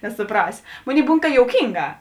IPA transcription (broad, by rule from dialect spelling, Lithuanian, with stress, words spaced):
nʲɛsʊˈprɑːsʲoː ˈmoːˌnʲeːɪ ˈbuːn kɐ joːʊˈkʲiːŋˌɡɑː